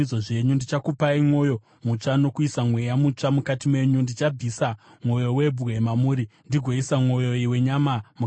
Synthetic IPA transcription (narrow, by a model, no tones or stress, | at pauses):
oʐe̞ɲundit͡ʃakupaimwo̞jo̞ | mut͡ʂano̞kuisamwe̞jamut͡ʂamukatime̞ɲundit͡ʃab͡vʱisa | mwo̞jo̞we̞bʱwemamuːɾindiɡʱoisamŋo̞jo̞iwe̞ɲamamuk